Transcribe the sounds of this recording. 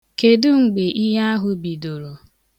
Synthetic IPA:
ke˨dʊ˦ŋ͡m̩˨ɡ͡be˨ʔi˦ɦa˦a˦ɦʊ˨bi˨do˨ɾo˨

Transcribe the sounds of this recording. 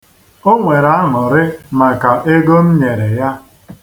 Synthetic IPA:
o˦ŋʷe˨ɾa˨˦ŋʊ˨ɾɪ˦ma˨ka˨ʔe˦ɡo˦n̩˦ɲe˨ɾe˨ja˦

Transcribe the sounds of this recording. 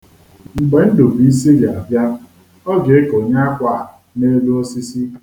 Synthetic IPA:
ŋ͡m̩˨ɡ͡be˨˦n̩˦do˨bi˨i˦s̬i˦la˨bja˦ | ɔ˦ɡe˨e˦ko˨ɲa˦a˦kʷa˦˨ | ne˦lu˦ɔ˦si˦si˦

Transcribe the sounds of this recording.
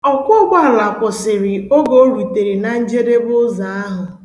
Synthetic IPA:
ɔ˨kʷʊ˦ɡʷa˦ɦla˨kʷʊ˨sɪ˨ɾɪ˨o˦ɡo˦ɾu˨te˨ɾi˨na˨n̩˦d͡ʒe˦de˦bʊ˦za˨a˦ɦʊ˨

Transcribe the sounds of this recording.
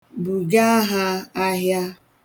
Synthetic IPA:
bu˨ɡa˦ɦa˦a˦ɦja˦

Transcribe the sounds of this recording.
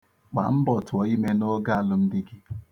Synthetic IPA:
ɡ͡ba̰˨m̩˦bɔ˨tʊ˨ɔ˨i˦me˦no˦ɡa˦a˨lʊ˨m̩˦dɪ˦ɡɪ˦

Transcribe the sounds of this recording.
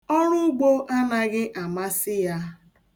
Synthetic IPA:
ɔ˦ɾʊ˦ʊ˦ɡ͡bo˦ʔa˦na˦ɣɪ˦ʔa˨ma˦sɪ˦ja˦

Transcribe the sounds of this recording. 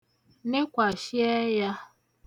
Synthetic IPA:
ne˦kʷa˨ʃɪ˦ɛ˦ja˦

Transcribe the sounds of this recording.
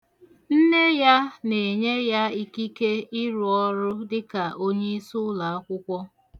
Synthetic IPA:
n̩˦ne˦ja˦ne˨ɲe˦ja˦i˦ki˦ke˦ɪ˦ɾʊ˨ɔ˦ɾʊ˦dɪ˦ka˨ʔo˦ɲe˦i˦sʊ˦la˨a˦kʷʊ˦kʷɔ˦

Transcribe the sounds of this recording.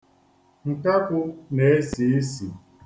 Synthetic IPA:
ŋ̩˨ka˦kʊ˦ne˦e˦si˨e˦si˨

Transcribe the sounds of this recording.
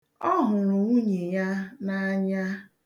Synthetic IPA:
ɔ˦ɦʊ˨ɾʊ˨ŋʷu˦ɲe˨ja˦na˦ɲa˦

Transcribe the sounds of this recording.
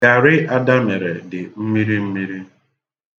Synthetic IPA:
a˨ɾɪ˦ʔa˦da˦me˨ɾḛ˨dɪ˨m̩˦mi˦ɾi˦m̩˦mi˦ɾi˦

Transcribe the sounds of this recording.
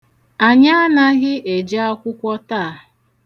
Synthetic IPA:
a˨ɲa˦a˦na˦ɣɪ˦ʔe˨d͡ʒa˦a˦kʷʊ˦kʷɔ˦ta˦˨

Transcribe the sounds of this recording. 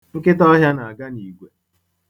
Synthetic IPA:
ŋ̩˦kɪ˦t̬ɔ˦ɦja˦na˨a˨ɡa˦ni˨ɡʷe˨

